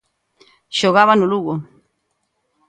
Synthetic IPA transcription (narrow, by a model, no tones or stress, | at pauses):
ʃoɣaβanuluɣo